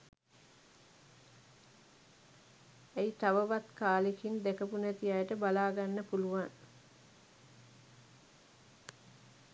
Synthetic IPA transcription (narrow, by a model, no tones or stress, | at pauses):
eit̪aʋəʋat̪kaːlekind̪ekəpunæt̪ijajʈəbalaːɡanːəpuluʋaŋ